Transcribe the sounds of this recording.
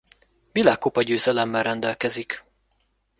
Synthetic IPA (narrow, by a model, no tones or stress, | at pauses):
ʋilaːkːopɒɟøːzɛlɛmːɛlrɛnd̪ɛlkɛzik